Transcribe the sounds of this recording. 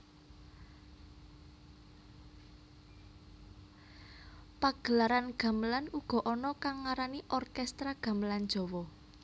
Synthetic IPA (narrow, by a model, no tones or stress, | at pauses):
paɡ̥ə̤laɾanɡ̥ä̤məlanuɡ̥ɔ̤ʔɔnɔkaŋːaɾaniʔɔrkɛst̪ɾaɡ̥ä̤məland̥d͡ʒ̥ɔ̤wɔ